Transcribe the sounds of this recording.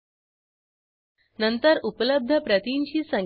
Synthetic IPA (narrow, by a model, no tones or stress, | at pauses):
nənt̪əɾupələb̚d̪ʱəpɾət̪iɲt͡ɕiːsəŋ